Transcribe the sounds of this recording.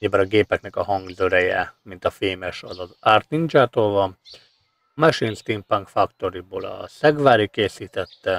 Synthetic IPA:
ɲibɒɾɒɡeːpɛknɛkɒɦɒŋɡzøɾɛjɛ̰mint̪ɒfeːmɛʃɒzɒzaːrt̪nind͡ʒaːt̪oːlvɒm | mɛʃinst̪inpaŋkfɒkt̪o̞ɾiboːlɒ̰sɛɡvaːɾikeːsiːt̪ɛt̪ːɛ

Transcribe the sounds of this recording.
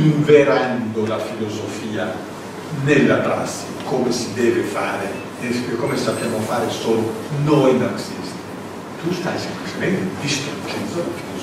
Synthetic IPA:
iɱveɾand̪olafilozofiːa | nelːap̪ɾa̰sːi̥komesid̪ɛːvefaːɾe | ekomesapːjamofaːɾesoːlo | nɔjnarsist̪i | t̪ust̪ajsemplit͡ʃement̪edist̪ok̪inzolfi̥

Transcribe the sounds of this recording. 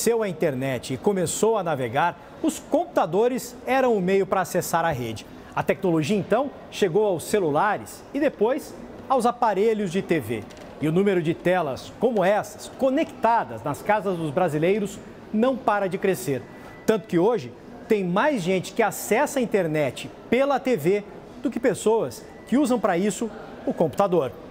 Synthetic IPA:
sewɐĩt̪eɾnɛt͡ʃɪːkomesowɐnaveɡaɾ | ʊskõmpu̥t̪ad̪oɾɪzɛɾɐ̃w̃ʊmejʊpɾɐːsesaɾɐɦed͡ʒɪ | ɐt̪ɛknoloʒiɐẽnt̪ɐ̃w̃ | ʃeɡowawsːelulaɾɪs | ɪd̪epojs | awzapaɾeʎʊzd͡ʒɪt̪evḛ | ɪʊnũmeɾʊd͡ʒɪt̪ɛlɐ̰skõmʊɛsɐ̥skonekt̪ad̪ɐznɐskazɐzd̪ʊzbɾazilejɾʊs | nɐ̃w̃paɾɐd͡ʒɪkɾeseɾ | t̪ɐ̃nt̪ʊ̥kɪoʒɪ | t̪ẽj̃majzʒẽnt͡ʃɪ̥kɪasɛsɐĩnt̪eɾnɛt͡ʃɪpelɐt̪eve | d̪̥ʊkɪpesowɐs | kɪuzɐ̃w̃pɾɐisʊ | ʊkõmpu̥t̪ad̪oɾ

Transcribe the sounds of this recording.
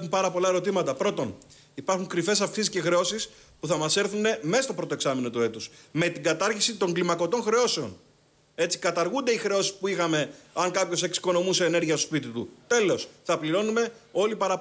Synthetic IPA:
umpɐɾɐpo̞lɐe̞ɾot̪imɐt̪ɐpɾo̞t̪o̞n | ipɐɾxuŋkɾife̞s̬ɐfksiiscexɾeo̞sis | puθɐmɐse̞ɾθune̞mest̪o̞pɾot̪oeksɐmino̞t̪ue̞t̪usme̞t̪iɡɐt̪ɐɾçisit̪o̞ŋɡlimɐko̞t̪o̞ŋxɾe̞o̞se̞o̞n | e̞t͡si̥kɐt̪ɐɾɣund̪e̞ixɾe̞o̞sispuixɐme̞ɐŋkɐpço̞se̞ksi̥ko̞no̞museːne̞ɾʝiɐst̪o̥spit̪it̪ṵt̪e̞lo̞sθɐpliɾo̞nume̞o̞lipɐɾɐ

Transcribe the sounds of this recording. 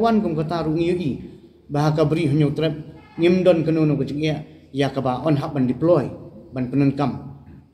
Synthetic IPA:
wankɔmkɔt̪aɾuʔŋiɡi | baɦakabɾiɦɔɲɔt̪ɾɛp̚ | ŋimdɔnkənunɔkəd͡ʒək̚aʔ | jakabaʔɔnɦaʔ̚bandiplɔjbanpənɔnkam

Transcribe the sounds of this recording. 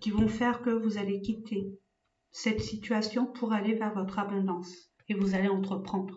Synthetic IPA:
kʲivɔ̃fɛʁkəvuzalekʲit̪ʰe | sɛt̪sit̪ɥasjɔ̃pʰuʁalevɛʁvɔt̪χabɔ̃d̪ɑ̃s | evuzaleɑ̃t̪χəpχɑ̃d̪ʁ

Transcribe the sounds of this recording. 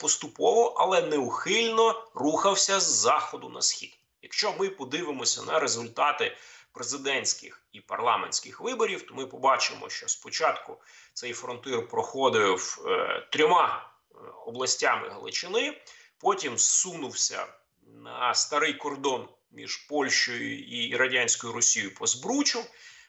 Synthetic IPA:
pɔst̪ʊpɔʋɔʔɐlˠɛnɛʊxɪlʲnɔruxɐwsʲɐzːɑxɔd̪ʊnɐ̰sxʲḭd̪ | jɐkʃt͡ʃɔmɪpɔd̪ɪʋɪmɔsʲɐnɐɾezʊlʲt̪ɑt̪ɪpɾezɪd̪ɛnʲsʲkɪ̰xipɐrlˠɑ̰menʲsʲkɪxʋɪbɔɾʲiwt̪ɔmɪpɔbɑt͡ʃɪmɔ̰ʃt͡ʃɔspɔt͡ʃɑt̪kʊt̪sɛjfɾɔnt̪ɪrpɾɔxɔd̪ɪwt̪ɾʲɔmɑ | ɔblˠɐsʲtʲamɪ̰ɦlˠɪ̰t͡ʃɪnɪ | pɔtʲimssunʊwsʲɐ̰ | nɐst̪ɐɾɪjkɔrd̪ɔn | mʲḭʒ̥pɔlʲʃt͡ʃɔjʊ̰iiɾɐdʲanʲsʲkɔjʊɾɔsʲijʊpɔzbɾut͡ʃʊ

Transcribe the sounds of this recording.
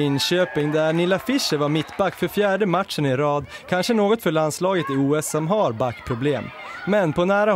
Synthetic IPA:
ɪnɕøːpɪŋd̪æɳɪlːafɪʂːəvaɾmɪt̪ːbakːfœɾfjæːɖəmaʈʂənɪɾɑːd̪ | kʰanʂənoːɡɔt̪fœɭanslɑːɡət̪ɪuːɛsːɔmɦaɾbakːpʰɾʊbleːmːɛnpʰɔnæːɾa

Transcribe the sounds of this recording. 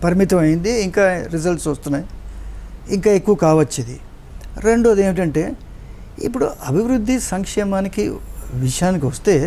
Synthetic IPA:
pɐɾimit̪ɐmɐjind̪iːŋkaːɾiz̬ɐlʈsɐst̪unaːji | iŋkaːe̞kːuʋɐkaːʋɐt͡ʃːid̪ḭ | ɾe̞ɳɖoɐd̪e̞ːmiʈ̬ɐɳʈe̞ː | ḭpːuɽuʔɐbʱiʋɾud̪ʱːisɐŋkʂɛːmaːnikiʋiʂɐjaːnikiʋɐst̪e̞ː

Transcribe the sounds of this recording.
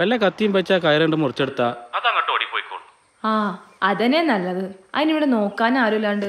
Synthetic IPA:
ʋɐlːɐkɐt̪ːijumpɐt͡ɕːaːkɐjɐɾɐɳɖɨmurɐt͡ɕːeɽut̪ːaːɐðɐŋːɐʈːoːɽipoːjkːo̰ːɳːu | aːɐðɐne̞nɐlːɐðɨɐ̰ðiniʋiɽeno̞ːkːaːnaːɾulaːɳɖɨ

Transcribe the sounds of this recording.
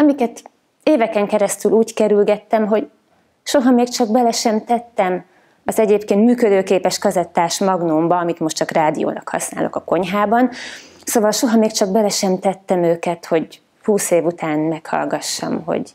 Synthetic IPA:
ɒmikɛt̪ | eːvɛkɛŋkɛɾɛst̪yluːckɛɾylɡɛt̪ːɛmɦo̞ɟ | ʃo̞ɦɒmeːkt͡ʃɒɡbɛlɛʃɛmt̪ɛt̪ːɛm | ɒzɛɟeːpkeːnt̪myːkød̪øːkeːpɛʃkɒzɛt̪ːaːʃmɒɡnoːmbɒɒmit̪mo̞ʃtt͡ʃɒkraːd̪ijo̰ːnɒkhɒ̰sna̰ːlo̞̰kɒko̞ɲɦaːbɒn | soːvɒlʃo̞ɦɒmeːkt͡ʃɒɡ̚bɛlɛʃɛmt̪ɛt̪ːɛmøːkɛt̪ho̞ɟ | huːseːvut̪aːnmɛkhɒ̰lɡɒʃːɒ̰mɦo̞̰ɟ

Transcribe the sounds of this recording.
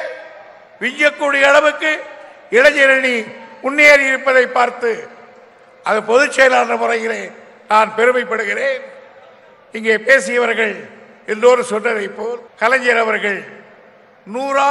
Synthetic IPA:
ʋɪɲd͡ʒɐkːuːɽɪjɐːɽɐʋɯkːɯ | ɪɽɐɲɛɾɐɳiʊnːeːɾɪɾɯpːɐðɐɪpːaːɾt̪ɯ | ʔɐðɯpɔðɯt͡ʃːɐjlaːndrɐmʊɾɐjɪleː | naːnpɛɾɯmɐɪpːɐɽɯɣɪreːn | ɪŋɡeːpeːsɪjɐʋɐɾɣɐɭ | ɛlːoːɾɯsɔnːɐɾɐɪpːoːlkɐlɐɲd͡ʒɐɾɐʋɐɾɣɐɭ | nuːɾaː

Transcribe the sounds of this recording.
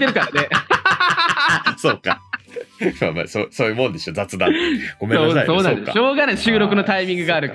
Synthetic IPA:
t̪eɾɯ̟kaɾane | soːka | ma̰ma̰soːsoːjɯːmõnd̪esɨjod͡zat͡sɨd̪aɡ̥o̞mesoːaaso̞ːnand̪a̰ɕoːɡanẽɕɨːɾo̞k̬ɯ̟no̞t̪aimʲĩŋɡɯ̟ɡaːɾɯ̟k

